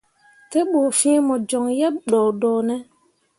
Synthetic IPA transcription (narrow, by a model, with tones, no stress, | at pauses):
te˦ɓoː˨fĩ˦mɔ˨d͡ʒɔ˨ŋjɛ˦p̚ɗɔː˨dɔː˨nɛ˦